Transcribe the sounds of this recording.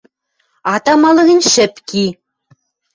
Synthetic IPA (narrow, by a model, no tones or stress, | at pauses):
ɑt̪ɑmɑlˠɤ̆ɣʲɘ̆nʲʃɘ̆pkʲi